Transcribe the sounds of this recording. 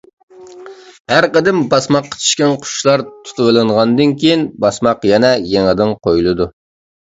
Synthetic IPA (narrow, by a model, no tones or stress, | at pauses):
hæɾqəd̪ɪmbɑsmɑqːə̥t͡ʃʰi̥ʃkʲɛnqʰʊ̥ʃlˠɑɾt̪ʰu̥t̪ʰɨwɨlˠɨɴʁɑnd̪ɨnkʲʰejinbɑsmɑqjɛnɛjɛŋɪd̪ɪnqʰojulˠɨd̪u